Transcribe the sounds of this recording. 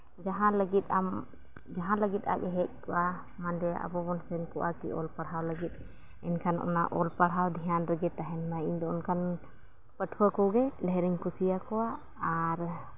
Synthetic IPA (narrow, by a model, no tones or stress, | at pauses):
d͡ʒaɦãləɡit̪am | d͡ʒaɦãləɡit̪a̰kɛɦɛk̚kɔʔa | mand̪ɛa̰bɔbɔnsɛnkɔʔakḭʔɔlpaɽawləɡit̪̚ | ɛnkʰanɔ̰naʔɔlpaɽɦawd̪ʱiɦanɾəɡɛt̪aɦɛnmajiɲd̪ɔɔnkʰan | pəʈʰuwakɔwɡɛdajɾiɲkusijakɔwaː | ɾ